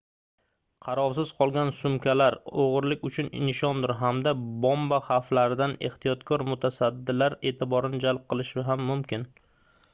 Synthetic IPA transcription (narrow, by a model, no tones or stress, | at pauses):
qʰɑɾɒwsɪz̥qʰɒlˠɡʲansʊmkʲʰalaɾoʁɨɾlɪkʲʊt͡ʃʰʊnɪ̰nʃɒnd̪ʊɾɦamd̪abombaχaflaɾɪd̪ane̞̰ht̪ʰijɒt̪kʰɒɾmʊt̪ʰasad̪ːɪlaɾe̞ːt̪ʰɪbɒɾɪnɪd͡ʒalˠp̚qʰɨlˠɪʃɪɦamːʊmkʲɪn